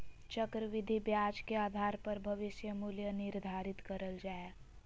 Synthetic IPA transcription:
t͡ʃəkɾəʋɪd̪ʱibjaːd͡ʒkeaːd̪ʱaːɾpɐɾbʱɐʋɪʃjəmuljənɪɾd̪ʱaːɾɪt̪kɐɾəld͡ʒaːe

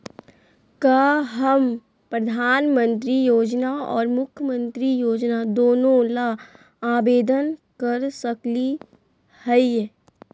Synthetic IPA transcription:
kaːɦəm | pɾɐd̪ʱaːnmə̃nt̪ɾijoːd͡ʒnaɔ̰ːɾmʊkʰjəmə̃nt̪ɾijoːd͡ʒnad̪oːnõla | aːbeːd̪ənkəɾsəkli | hɛi

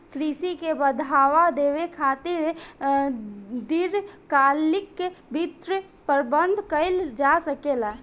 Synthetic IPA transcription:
kɾisikebəd̪ʱaʋad̪eʋekʰat̪iɾ | d̪iɾkalikːebit̪ɾ | pəɾbənd̪ʱkəɪld͡ʒasəkela

